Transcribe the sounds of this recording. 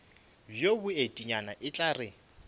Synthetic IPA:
bjobʊetʼiɲanaʔɪt͡ɬʼarɪ

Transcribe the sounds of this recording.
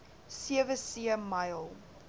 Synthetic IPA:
siəvəsiəmɐjlˠ

